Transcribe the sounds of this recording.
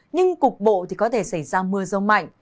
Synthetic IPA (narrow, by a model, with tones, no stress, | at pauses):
ɲɨ˧ŋkʊ˨˩k̚ɓo̰˧˨t̪i˨˩kɔ˨˦t̪ʰe˧˩sa˧˩jzaː˧mɨ˧əzə˧wma̰˧˨jŋ